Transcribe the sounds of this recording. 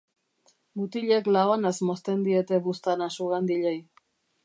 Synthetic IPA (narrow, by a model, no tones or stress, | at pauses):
mut̪iʎe̞klaoanazmo̞st̪e̞nd̪ie̞t̪e̞βust̪anasuɣand̪iʎej